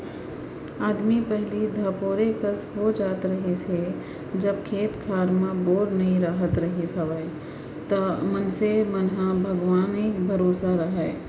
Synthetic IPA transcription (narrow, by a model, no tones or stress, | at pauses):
aːd̪mipɛɦlid̪ʱapoːɾekəsɦod͡ʒaːt̪ɾəɦise | d͡ʒəb̚kʰeːt̪kʰaːɾmãboːɾnəĩɾaːɦət̪ɾəɦisəʋə | t̪əmənsemənɦãbʱəɡʋaːnekbʱəɾoːsaɾəɦɛː